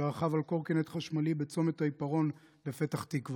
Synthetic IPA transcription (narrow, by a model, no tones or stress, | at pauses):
aχavalko̞ʁkenet̪χaʃmalibet͡so̞me̞t̪haipaʁo̞n | le̞fet̪aχt̪ikv